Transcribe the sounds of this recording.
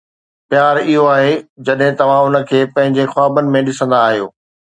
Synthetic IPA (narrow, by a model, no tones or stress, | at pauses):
pjaːɾɪɦoaːɦed͡ʑɐɗɦɪ̃t̪ɐʋ̤ãʊnə̆kʰeːpɐ̃ɦɪ̃ɲd͡ʑexʊaːbənɪ̆mẽɗɪsə̃nd̪aːɦijo̰ː